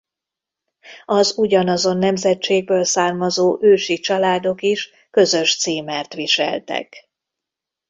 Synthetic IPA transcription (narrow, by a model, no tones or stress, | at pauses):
ɒzuɟɒnɒzo̞nːɛmzɛt͡ʃeːɡ̚bøːlsaːrmɒzoːʔøːʃit͡ʃɒlaːd̪o̞kiʃ | kø̞zø̞ʃt̪siːmɛrt̪ʋiʃɛ̰lt̪ɛ̰k